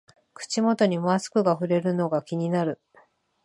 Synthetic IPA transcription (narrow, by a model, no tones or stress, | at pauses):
kɯ̟̥t͡ɕimo̞t̪o̞ɲ̟imoasɨ̥kɯ̟ɡaɸɯ̟ɾe̞ɾɯ̟no̞ɡakʲiɲ̟inaɾɯ̟